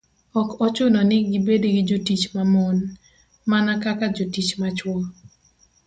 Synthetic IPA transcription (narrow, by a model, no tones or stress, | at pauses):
ɔkɔt͡ʃʊnɔnɪɡɪbedɡɪd͡ʒotit͡ʃmamon | manakakad͡ʒotit͡ʃmat͡ʃwɔ